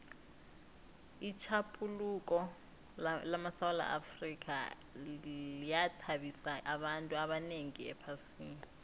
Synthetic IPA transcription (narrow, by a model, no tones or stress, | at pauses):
it͡ʃʰapʰʼulukʼɔ | lamasawala̰ʔafrik̬ʼa̰ | ijatʰaɓisaʔaɓantʼuaɓaneŋiɛ̰pʰasiːni